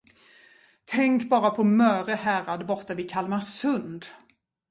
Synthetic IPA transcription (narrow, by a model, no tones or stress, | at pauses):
t̪ʰɛŋkbɑːɾapʰɔmœːɾəhæːɾad̪bɔɾt̪avɪkʰalmasɵnd̪